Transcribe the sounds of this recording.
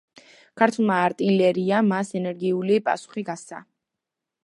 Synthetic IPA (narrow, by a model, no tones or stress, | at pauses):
kʰaɾt̪ʰulˠmaːɾt̪ʼilɛɾiamasɛnɛɾɡiulipʼa̰su̥χiɡassa̰